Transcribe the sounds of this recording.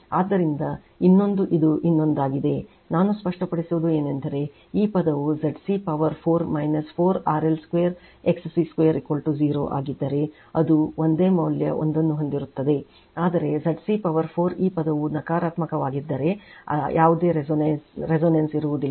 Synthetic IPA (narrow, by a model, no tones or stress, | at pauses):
aːd̪ːɐɾind̪ɐ | inːo̞nd̪uʔid̪uʔinːo̞nd̪aːɡid̪e̞ | naːnuspɐʂʈɐpɐɽisuʋud̪ue̞ːnend̪ɐɾe̞ | iːpɐd̪ɐʋuzɐɖsiːpɐʋɐɾpʰoːɾmɐjnɐspʰoːɾaːɾelskʋejɐɾ | eksɐsiːskʋejɐɾikolʈuziːɾo̰ːʔa̰ːɡid̪ːɐɾe̞ | ɐd̪uond̪e̞ːmɐʋljɐ̰ʔond̪ɐnːuɦond̪iɾut̪ːɐd̪e̞ | aːd̪ɐɾe̞zɐɖsiːpɐʋɐɾpʰoːɾiːpɐd̪ɐʋunɐkaːɾaːt̪mɐkɐʋaːɡid̪ːɐɾe̞ɐ̰jaːʋud̪e̞ːɾneɾezoːnɐnsiɾuʋud̪ilː